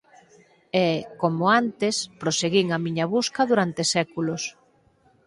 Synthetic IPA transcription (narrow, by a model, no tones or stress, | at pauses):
ɛkomʊant̪espɾoseɣiŋɐmiɲɐβuskɐðuɾant̪esɛkulʊs